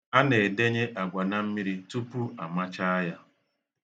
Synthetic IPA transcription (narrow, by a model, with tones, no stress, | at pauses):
a˦ne˨de˦ɲe˦ʔa˨ɡʷa˨na˦m̩˦mi˦ɾi˦tu˦pu˦a˨ma˦t͡ʃa˦a˦ja˦